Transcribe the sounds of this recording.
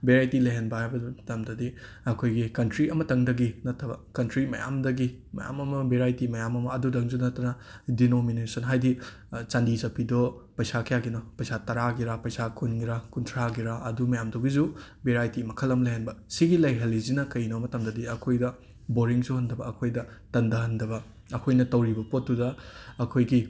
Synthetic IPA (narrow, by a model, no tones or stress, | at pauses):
beɾajtilɐɦenbɐhajbɐtɐmdɐdi | ɐkʰojɡikɐntɾiɐmɐtɐŋdɐɡinɐtʰːɐbɐ̰kɐntɾimɐ̰ja̰mdɐɡimɐ̰ja̰mɐmɐbeɾajtimɐjamɐmɐːdudɐŋzunɐtːɐnɐdinominesɐnɦajdi | t͡ʃandizɐpʰidɔpɐjsakʰɐjaɡinɔpɐjsatɐɾaɡiɾapɐjsakʰunɡiɾakuntʰɾaɡiɾaɐdumɐjamdoɡizu | beɾajtimɐkʰɐlːɐmlɐɦenbɐsiɡilɐjɦɐlːizinɐkɐjnɐmɐtɐmdɐdiɐkʰojdɐ | boɾiŋzuhɐndɐbɐɐkʰojdɐtɐndɐɦɐndɐβɐ | ɐkʰojnɐtɐwɾibɐpotːudɐɐkʰojɡi